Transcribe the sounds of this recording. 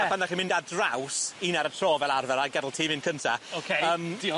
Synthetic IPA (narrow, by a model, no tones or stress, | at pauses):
fandaχinmɪ̃ndadrawsiːnaɾətʰroːvɛlˠarvɛɾaɡɛdl̩ˠtʰiːmɪnkʰəntʰaokʰeəːmdi